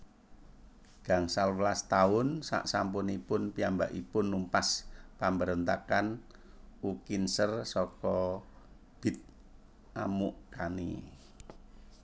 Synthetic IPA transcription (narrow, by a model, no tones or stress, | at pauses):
ɡ̥a̤ŋsalwlast̪aʊnsa̰ʔsampʊnipʊnpiambaʔipʊnːumpaspambəɾənt̪akan | ukinsərsɔkɔ | b̥ɪ̤t̪̚ | ʔamuʔkanḭ